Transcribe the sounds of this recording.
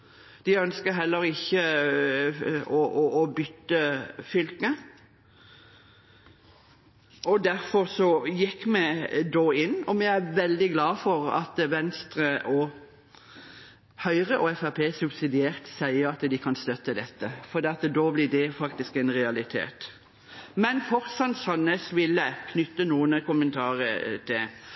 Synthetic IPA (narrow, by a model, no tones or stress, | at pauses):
d̪̥ɪœnskəɦɛlːəɾɪçːə | ɔʔɔːbʏt̪ːəfʏlkə | ʔɔd̪æɾfɔʁsɔjɪkːmɛd̪oːɪnːɔmɛæʋɛld̪ɪɡlɑːfɔɾɑ̰t̪ʋɛnst̪ɾəʔɔ | hœʏʁəʔɔɛfæpʰeːsʉbsɪd̪ɪeːʁt̪sæɪəɑt̪d̪ɪkʰɑnst̪œt̪ːəd̪ɛt̪ːəfɔɾd̪eːɑt̪d̪oːblɪd̪ɛfɑkt̪ɪskɛnʁɛɑlɪt̪ʰḛːt̪ | mɛnfɔʁsɑnsɑnəsʋɪlːəkʰnʏt̪ːənuːənəkʊmənt̪ʰɑːʁət̪ʰɪl